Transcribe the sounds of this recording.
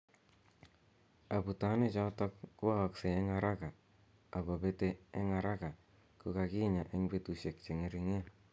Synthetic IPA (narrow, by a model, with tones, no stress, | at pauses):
a˨pu˨ta˦nɪ˦t͡ʃɔ˧˦tɔ˦kku˦a˦˨kseː˨˦ŋa˨ɾa˦ka˨ | a˨ko˨pe˦teː˦ŋa˨ɾa˦ka˨ | ku˨ka˨ki˦ɲa˨ʔe˦ŋbe˦tu˨ʃe˨k̚t͡ʃe˨ŋe˨ɾi˨ŋe˦